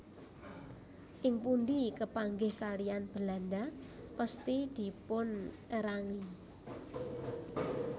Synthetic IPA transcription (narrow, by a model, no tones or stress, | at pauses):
ʔɪŋpundikəpaŋɡɪhkalijanb̥əlanɖapəst̪id̪̥i̤pʊnʔəɾaŋi